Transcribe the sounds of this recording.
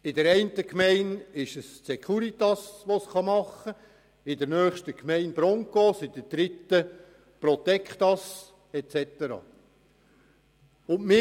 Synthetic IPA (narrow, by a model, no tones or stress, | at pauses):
ɪdɛɾɛɪnt̪əkmɛɪnɪʃəssɛkʰχuɾit̪ɑsʋosχɑmɑχə | ɪdɛɾnœːχʃtəkmɛɪnb̥ɾɔŋkosɪd̥əd̥̪ɾɪt̪ːə | pɾɔt̪ɛkχt̪ɑs | ɛt͡sɛt̪əɾɑ̰ː | ʊnmɪ